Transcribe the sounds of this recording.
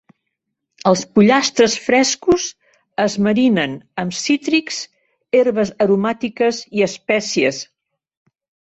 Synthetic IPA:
əlˠspuʎast̪ɾəsfɾɛskuz | əzməɾinənəmsit̪ɾikz | eɾβəzəɾumat̪ikəziəspɛsiəs

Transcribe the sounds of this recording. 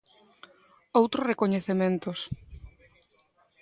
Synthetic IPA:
owt̪ɾʊsrekoɲeθemẽnt̪os

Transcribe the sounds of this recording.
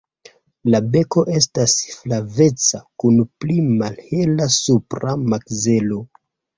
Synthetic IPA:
labe̞ko̞ʔe̞s̬tasflave̞t͡sakunplimalhelasupɾamakze̞lo̞

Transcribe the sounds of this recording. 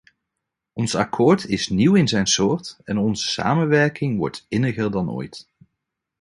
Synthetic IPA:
ʔɔnsakʰɔːɹtʰɪsniwɪnzɛjnsʊːɹtɛnɔnzəsa̰ːmənʋɛɹkʰɪŋʋɔ̰ɹtɪnəɣəɹdɑno̰ːjt

